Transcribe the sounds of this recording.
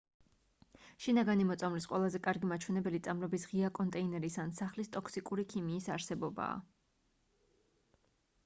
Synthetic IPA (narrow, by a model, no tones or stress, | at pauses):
ʃinaɡanimɔt̪sʼamlisqʼwɛlˠazɛkʼaɾɡimat͡ʃʰwɛnɛbɛlit̪sʼamɾɔbisʁiakʼɔnt̪ʼɛinɛɾisansaχlist̪ʼɔkʰsikʼuɾikʰimiːsaɾsɛbɔba̰ː